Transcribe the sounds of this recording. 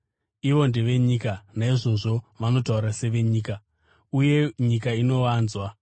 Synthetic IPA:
iʋo̞nde̞ʋe̞ɲikanaiʐo̞ʐo̞ʋano̞tauɾase̞ʋe̞ɲiːka | uje̞ɲikaino̞ʋaːnzwa

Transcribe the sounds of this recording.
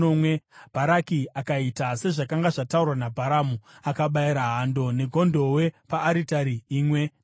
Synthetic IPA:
omwe̞b̥ʱaɾakiakaitase̞ʐakaŋɡaʐataurwanabʱaɾamuakaɓaiɾaɦando̞ne̞ɡʱo̞ndo̞we̞paːɾitaɾiiːmwe̞

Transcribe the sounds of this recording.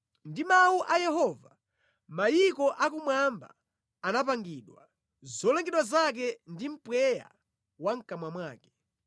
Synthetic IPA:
ndimawuʔajɛɦɔːva | majikɔʔakumwamba̰ | anap̬aŋɡiɗwa | zɔlɛŋɡɛɗwazak̬ɛndim̩pwɛja̰ | waŋ̩kamwamwaːkɛ̥

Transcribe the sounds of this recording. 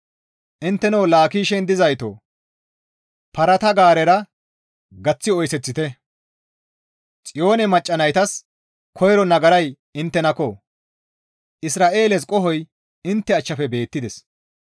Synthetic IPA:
ʔɪnt̪ːɛnɐwlaːkiːʃɛnd̪ɪzɐjt̪o̰ | pɐɾɐt̪ɐɡaːɾɛɾɐ | ɡɐt͡sːɪɔjsɛt͡sːɪt̪ɛ | t͡sʼɪjo̞ːnɛmɐt͡ʃʼːɐnɐjt̪ɐs | kʰɔjɾɔnɐɡɐɾɐj | ɪnt̪ːɛnɐkɔ | ʔɪsɾaːʔe̞ːlɛs̬kʼɔɦɔj | ɪnt̪ːɛɐt͡ʃːɐfɛbe̞ːt̪ːɪd̪ɛs

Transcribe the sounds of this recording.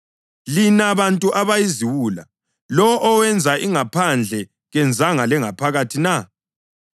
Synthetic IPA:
linaβantʼuʔaβajiziwula̰ | lɔʔːwɛnd͡zʱaʔiŋapʰand͡ɮʱɛ | ɣɛnd͡zʱaŋalɛŋapʰaɣatʰina

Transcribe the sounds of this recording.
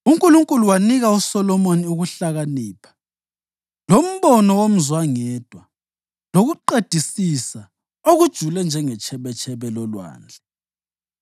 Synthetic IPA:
uŋkʼuluŋkʼuluwaniɣausɔlɔmoniuɣuɬaɣaniːpʰḁ | lom̩βɔnɔwom̩zwaŋɛd̥ʱwa | loɣuǃed̥ʱisisa | oɣud̥ʒ̥ʱulɛnd͡ʒʱɛŋɛt͡ʃʰɛβɛt͡ʃʰʼɛβɛlɔlwa̰ːnd͡ɮʱɛ

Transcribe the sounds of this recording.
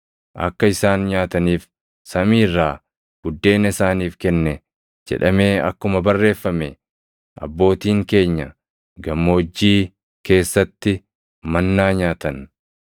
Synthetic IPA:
ʔɐ̰kːɐɪsaːnɲaːt̪ɐniːf | sɐmiːrːaː | ɡ̥ʊd̪ːe̞ːnɐɪsaːniːfkɛnːɛ | d͡ʒɛ̰ᶑɐme̞ːɐ̰kːʊmɐbɐrːe̞ːfːɐmɛ | ʔɐ̰bːo̞ːt̪iːŋke̞ːɲːɐ | ɡɐmːoːd͡ʒːiː | ke̞ːsːɐt̪ːɪ | mɐnːaːɲaːt̪ɐn

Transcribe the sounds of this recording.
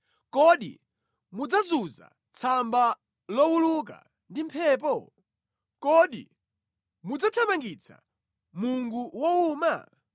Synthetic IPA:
kɔɗḭ | mud͡zazuza̰ | t͡sʰamba | lɔwuluk̬a̰ | ndimpʰɛːp̬ɔ | kɔɗḭ | mud͡zat͡ʃʰamaŋɡit͡sʰa̰ | muŋɡuwɔuːma̰

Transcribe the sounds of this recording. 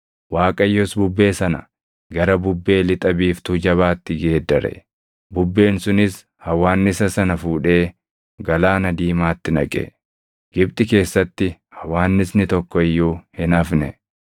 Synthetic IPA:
waːkʼɐjːɔsbʊbːe̞ːsɐnɐ̰ | ɡɐɾɐbʊbːe̞ːlɪt̪ʼɐbiːft̪ud͡ʒɐβaːt̪ːɪɡe̞ːd̪ːɐɾɛ̰ | bʊbːe̞ːnsʊnɪs | hɐwaːnːɪsɐsɐnɐfuːᶑe̞ː | ɡɐlaːnɐd̪iːmaːt̪ːɪnɐ̰kʼɛ̰ | ɡ̥ɪbt̪ʼɪke̞ːsːɐt̪ːɪ | hɐwaːnːɪsnɪt̪ɔkːɔɪjːuːhɪnɐfnɛ

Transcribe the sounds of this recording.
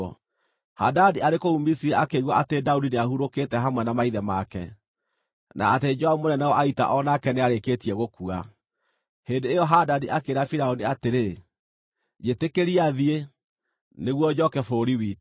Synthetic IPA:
ɔ | hadadiaɾekoumisiaʔakeɣwaʔatedaudineahuɾoketɛɦamwɛnamaiðɛmakɛ | nʔa̰ːted͡ʒɔaumonɛnɛɔʔaita̰ʔɔnakɛneaɾeketiɛɣokua̰ | hendeejɔɦadadiakeɾafiɾaoniateɾe | d͡ʒetekeɾiaðie | neɣwɔd͡ʑɔkɛfoɾiwit

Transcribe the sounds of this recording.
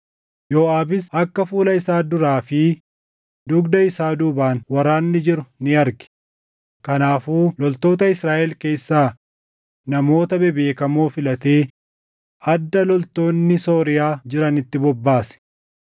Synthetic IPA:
joːʔaːbɪsɐkːɐfuːlɐɪsaːd̪ʊɾaːfɪ | d̪ʊɡd̪ɐɪsaːd̪uːbaːnwɐɾaːnːɪd͡ʒɪɾʊnɪɐɾɡɛ̥ | kɐnaːfuːlɔlt̪o̞ːt̪ɐɪsɾaːʔɛlke̞ːsːaː | nɐmo̞ːt̪ɐbɛbe̞ːkɐmoːfɪlɐt̪e̞ː | ɐd̪ːɐlɔlt̪o̞ːnːɪso̞ːɾɪjaːd͡ʒɪɾɐnɪt̪ːɪbɔbːaːsɛ̥

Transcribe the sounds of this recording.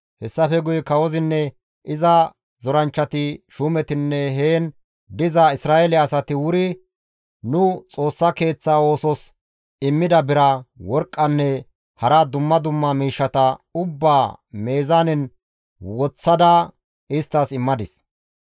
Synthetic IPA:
hɛsːɐfɛɡʊjkɐwɔzɪnːɛ | ʔɪzɐ | zɔɾɐnt͡ʃːɐt̪ɪʃuːmɛt̪ɪnːɛɦeːn | d̪ɪzɐɪsɾaːʔɛlɪɐsɐt̪ɪwʊɾɪ | nʊt͡sʼo̞ːsːɐke̞ːt͡sːaːo̞ːsɔs | ɪmːɪd̪ɐbɪɾɐwɔɾkʼːɐnːɛ | hɐɾɐd̪ʊmːɐd̪ʊmːɐmiːʃːɐt̪ɐʊbːaːme̞ːzanɪn | wɔt͡sːɐd̪ɐ | ɪst̪ːasɪmːɐd̪ɪs

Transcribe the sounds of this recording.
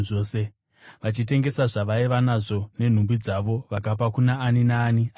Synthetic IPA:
ʐoːse̞ | ʋat͡ʃit̬e̞ŋɡe̞saʐaʋaiʋanaʐo̞ne̞n̤umbid͡zaʋo̞ʋakap̬akunaːninaːnia

